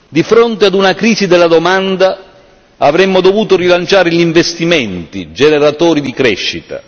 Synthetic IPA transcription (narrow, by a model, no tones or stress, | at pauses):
d̪ifɾont̪ead̪unakɾiːzid̪ɛlːad̪omand̪a | avɾɛmːod̪ovuːt̪oɾilant͡ʃaːɾɪʎiɱvest̪imɛnt̪ḭd͡ʒɛnɛɾat̪ɔːɾid̪ikɾɛʃːit̪a̰